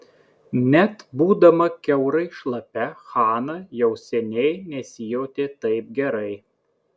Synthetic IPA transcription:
nʲɛt̪buːd̪ɐmɐkʲɛʊɾɐɪʃlˠɐpʲɛxɑːnɐjɛʊsʲɛnʲɛɪnʲɛsʲɪjoːt̪ʲeːt̪ɐɪp̚ɡʲɛɾɐɪ

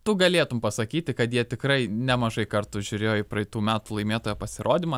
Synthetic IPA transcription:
t̪ʊɡɐlʲeːt̪ʊmpɐsɐkʲiːt̪ʲɪkɐt̪jiɛt̪ʲɪkɾɐɪnʲɛmɐʒɐɪkɐrt̪ʊʒʲʊɾʲeːjoɪpɾɐɪt̪uːmʲæːt̪uːlˠɐɪmʲeːt̪oːjoːpɐsʲɪɾʔoːd̪ʲɪmɐ

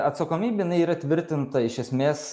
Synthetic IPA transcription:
ɐt̪sɐkoːmʲiːbʲejɪnɐɪiːɾɐt̪ʲʋʲɪɾʲt̪ʲɪnt̪ɐɪʃʲɛsʲmʲeːs

